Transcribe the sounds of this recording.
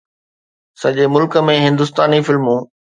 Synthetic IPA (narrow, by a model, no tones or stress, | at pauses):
sɐʄemʊlkə̆mẽɦɪ̃nd̪ʊst̪aːnifɪlmũː